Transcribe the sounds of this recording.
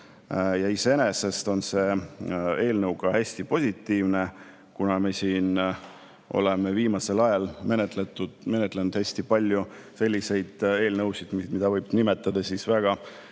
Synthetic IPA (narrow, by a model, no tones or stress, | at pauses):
jɑise̞enese̞st̪o̞nse̞ | e̞ːlnɤwɡ̥ɑhæsʲt̪ipo̞sʲit̪ːˑiːvne̞ | kunɑmesiːn | ʔo̞̰le̞me̞viːmɑse̞lɑjɑlmenet̪let̪ːume̞net̪ːˑlenud̪̥hæsʲt̪ipɑlʲjuse̞lʲːise̞jd̪̥e̞ːlnɤwsid̪̥mimid̪ɑvɤjb̥nimet̪ːˑɑd̪̥ɑsisvæɡ̥ɑ